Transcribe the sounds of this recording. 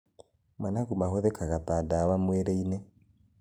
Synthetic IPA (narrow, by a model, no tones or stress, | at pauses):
manaɣumaɦoðɛkaɣatadawamweɾeinɛ